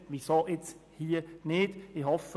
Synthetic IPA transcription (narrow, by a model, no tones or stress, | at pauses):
ʋisoːʔet͡shiːənɪd̥ɪhɔfə